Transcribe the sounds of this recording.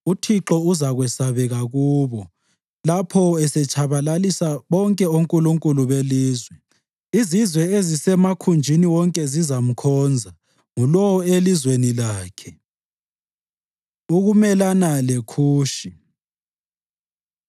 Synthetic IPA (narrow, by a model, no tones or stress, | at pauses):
utʰiǁɔuzaɣwɛsaβɛɣaɣuːβɔ | lapʰɔɛsɛt͡ʃʼʰaβalalisaβɔŋkʼɛoŋkʼuluŋkʼuluβeliːzwɛ | izizwɛezisɛmakʰund͡ʒʱiniwɔŋkʼɛzizam̩kʰɔːnd͡zʱa | ŋulɔwelizwenilaːkʰɛ | uɣumɛlanalekʰuːʃi